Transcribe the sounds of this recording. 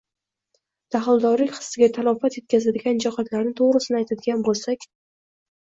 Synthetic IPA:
d̪̥aχɪlˠd̪ɒɾlɪkʲχɨ̥sɪɡʲat̪ʰalˠɒfat̪je̞t̪̚kʲʰazad̪ɪɡʲand͡ʒaqat̪laɾnɪt̪ʰoʁɾɪsɪnɪajt̪ʰad̪ɪɡʲanbolˠsakʲ

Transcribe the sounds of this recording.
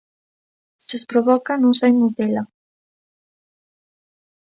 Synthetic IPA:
sspɾoβɔkanõsajmozðela

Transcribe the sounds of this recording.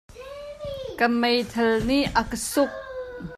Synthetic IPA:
kəmejt̪ʰɐlniʔəkəsʊk̚

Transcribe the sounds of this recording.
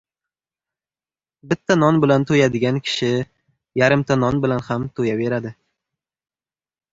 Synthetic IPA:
bɪt̪ʰːanɒnbɪlant̪ʰojad̪ɪɡʲankʲʰɪ̥ʃɪ | jaɾɪmt̪ʰanɒnbɪlanhamt̪ʰojave̞ɾad̪ɪ

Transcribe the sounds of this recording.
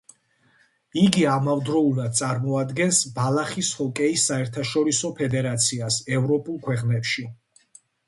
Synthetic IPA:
iɡiamavd̪ɾɔulˠad̪̚t̪sʼaɾmɔad̪ɡɛnsbalˠaχishɔkʼɛisːaɛɾt̪ʰaʃɔɾisɔpʰɛd̪ɛɾat̪sʰiasɛvɾɔpʼulˠkʰwɛqʼnɛpʃi

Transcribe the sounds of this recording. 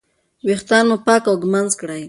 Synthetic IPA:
wext̪ɑnmopɑkawɡmanzkɽaj

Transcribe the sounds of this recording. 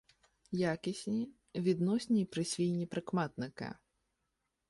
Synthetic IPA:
jakʲɐsʲnʲi | vʲid̪nɔsʲnʲipɾɨsʲvʲijnʲipɾɨkmat̪̚nɨkɐ̰

